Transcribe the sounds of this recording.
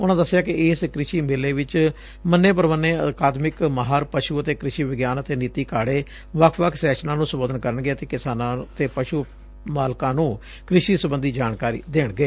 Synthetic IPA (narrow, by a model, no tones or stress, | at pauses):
ʊnãːd̪əsːɪjaːkɪɪːskɾɪʃiːmɪlːeːʋɪt͡ʃ | mənːeːp̬əɾʋənːeːəkaːd̪mɪkməɦaːɾpəʃuːət̪eːkɾɪʃiːʋɪɡjaːnət̪eːniːt̪iːkʰaːɽeː | ʋəkʰʋəkʰsɛːkʃnãːnũːsəboːd̪ənkəɾənɡɪaːt̪eːkɪsaːnãːt̪eːpəʃuː | maːlkãːnũː | kɾɪʃiːsəbənd̪iːd͡ʒaːnkaːɾḭːd̪eːɳɡeː